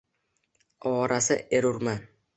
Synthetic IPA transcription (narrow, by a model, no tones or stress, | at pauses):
ɒːɾasɪeɾʊɾman